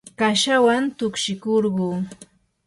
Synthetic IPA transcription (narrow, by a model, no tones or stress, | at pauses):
kaʃawant̪ʊkʃɪkoɾɢuː